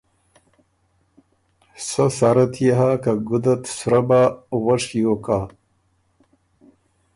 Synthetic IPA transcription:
sasaɾɐt̪ʰjeɦakaɡud̪ɐt̪suɾabawɐʂjokaː

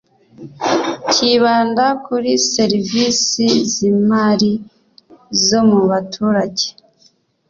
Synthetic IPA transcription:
ciβaːndakuɾise̞ɾivisizimaːɾi | zo̞muβatʰuːɾaɟe

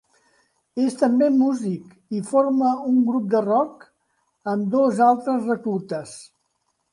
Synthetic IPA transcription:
est̪əmbemuzik | ifoɾməuŋɡɾup̚d̪ərɔk | əmd̪ozalˠt̪ɾəzrəkut̪əs

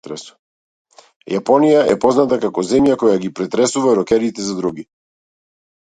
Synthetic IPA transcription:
ɾɛs | japɔnijaʔɛpɔznat̪akakɔzɛmjakɔjaɡipɾɛt̪ɾɛsuvaɾɔkɛɾit̪ɛzad̪ɾuɡi

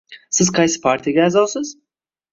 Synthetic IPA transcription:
sɪz̥qʰɑjsɪ̥pʰaɾt̪ʰijaɡʲaːzɑlˠsɪz̥

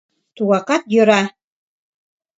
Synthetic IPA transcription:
t̪uɣɑqɑt̪jøɾɑ

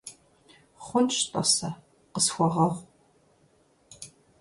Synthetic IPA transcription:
χʷʊnʃtʼɐ̰sɐ | qəsxʷɔʁɐʁʷ

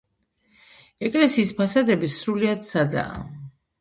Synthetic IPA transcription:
ɛkʼlɛsiːspʰasad̪ɛbisɾuliad̪sad̪a̰ː

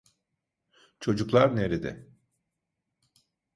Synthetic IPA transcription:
t͡ʃʰo̞d͡ʒuklˠaɾneɾid̪ɪ̰

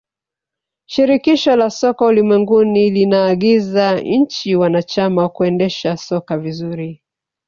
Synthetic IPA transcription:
ʃiɾikiʃɔlasɔkaulimwɛŋɡunilinaːɠizaɲ̩t͡ʃiwanat͡ʃamakuɛndɛʃasɔkavizuɾi

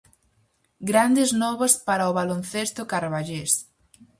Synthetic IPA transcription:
ɡɾand̪ɪznɔβɐspaɾaoβalonθest̪ʊkaɾβaʎes

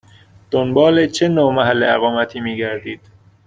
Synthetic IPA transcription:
d̪̥onbɒːlet͡ʃʰenomæɦælːeæɣɒːmæt̪ʰiːmiːɟæɾd̪iːd̪̥

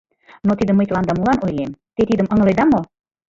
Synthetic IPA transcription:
not̪id̪əmːəjt̪lɑnd̪ɑmulɑnojlemt̪et̪id̪əmə̆ŋlejd̪ɑmo

